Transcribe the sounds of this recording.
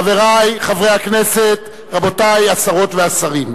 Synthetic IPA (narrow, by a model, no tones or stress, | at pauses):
ave̞ʁajχavʁe̞jhakne̞se̞t | ʁabo̞tajasaʁo̞tveasaʁim